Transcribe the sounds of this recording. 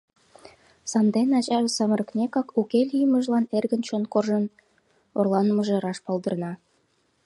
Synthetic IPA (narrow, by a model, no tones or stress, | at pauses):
sɑnd̪enɑt͡ɕɑβesɑmərəknʲekɑkukelʲijəməʒlɑnerɣənt͡ɕonkorʒən | orlˠɑnməʒeɾɑʃpɑld̪ə̆rnɑ